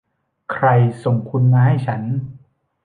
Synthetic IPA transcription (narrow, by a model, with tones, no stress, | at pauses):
kʰɾa˧jso˨˩ŋkʰu˧nmaː˧ɦa˥˩jt͡ɕʰa˦˥n